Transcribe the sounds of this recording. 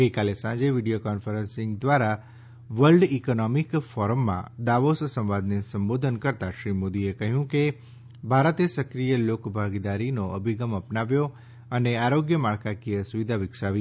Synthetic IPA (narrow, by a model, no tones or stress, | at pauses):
ɡəjkalesãd͡ʒeʋiɖijokɔnfəɾə̃nsɪ̃ŋɡd̪ʋaɾa | ʋəlɖikonɔmikfɔɾəmːã̰d̪aʋossə̃ʋad̪nesəmbod̪ʱənkəɾt̪aʃɾimod̪iekəɦjũke | bʱaɾət̪esəkɾijəlokbʱaɡd̪aɾinoʔəbʱiɡəməpnaʋjo | əneaɾoɡjəmaɭkakiəsuʋid̪ʱaʋɪksaʋi